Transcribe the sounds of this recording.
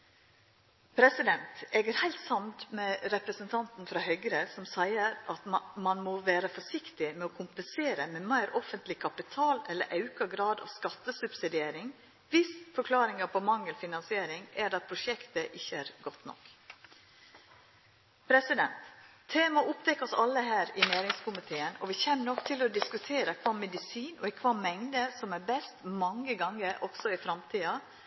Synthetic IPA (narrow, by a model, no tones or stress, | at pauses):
pʰɾɛsɪd̪ɛnt̪eːɡəɾhæɪlt̪sɑnt̪mɛɾɛpɾəsənt̪ʰɑnt̪n̩fɾɑhœɡɾəsɔmsæɪəɾɑt̪mɑnmoʋæːɾəfɔʂɪkt̪ɪmɛɔːkʰʊmpənseːɾəmɛmæɪɾʔɔfənt̪lɪkʰɑpɪt̪ʰɑːlɛlːə̰ɾʔɑʉkɑɡɾɑːd̪ɑ̰ːʋskɑt̪ːəsʉpsɪd̪ɪeːɾɪŋ | ʋɪsfɔɾkʰlɑːɾɪŋɑpʰɔmɑŋːəlfɪnɑnsɪeːɾɪŋæɖɑt̪̚pʰɾʊʃɛkt̪əʔɪçːəæːɾɡɔt̪nɔ̰k | pʰɾɛsɪd̪ɛnt̪ʰː | eːmɑʔʊpt̪ʰɛkːɔsɑlːəhæːɾɪnæːɾɪŋskʰʊmɪt̪ʰeːənɔʋɪçɛnːnɔkːt̪ʰɪlɔd̪ɪskʉt̪ʰeːɾəkʰʋɑːmɛd̪ɪsiːnɔ̰kʰʋɑːmɛŋd̪əsɔmæɾbɛst̪mɑŋːəɡɑŋːəɾʔɔɡ̥sɔɪfɾɑmt̪ʰiːɑ